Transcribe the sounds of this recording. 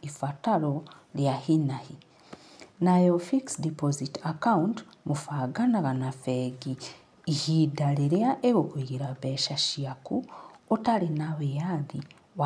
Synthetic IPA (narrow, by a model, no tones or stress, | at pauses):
ifataɾo | ljahinahi | najofiksdipozitakaunt | mufaɡanaɣanafeɡiː | hidaliɾeaʔeβokuiɡiɾaβeʃaʃiakuotalinaβejaði | β